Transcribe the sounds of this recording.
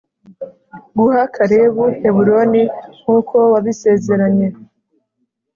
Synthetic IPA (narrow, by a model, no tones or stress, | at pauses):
ɡuhakʰaɾeβuhe̞βuɾo̞niŋ̥uːkʰo̞waβise̞ːze̞ɾaɲe̞